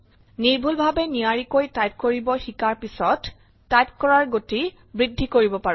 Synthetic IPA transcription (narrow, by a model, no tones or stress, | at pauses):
niɹbʱulbʱabɛniaɹikojtajp̚koɹibɔxikaɹpisɔtː | ajp̚kɔɹaɹɡoti | bɹidʱːikoɹibɔpaɹũ